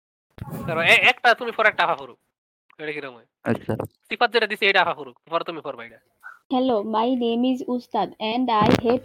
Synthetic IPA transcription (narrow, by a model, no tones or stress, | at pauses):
kəɾoeɛkʈat̪umiːfʰɔɾɛk̚ʈaːfafoɾu | eɽekiɾəmoj | ə̰sa̰ɾsipʰat̪̚d͡zəʈʲad̪iseʈafafoɾut̪fɔɾt̪umiːfʰoɾbʱajiʈa | hɛlomajnemizust̪ad̪ɛɳɖajɦeʈ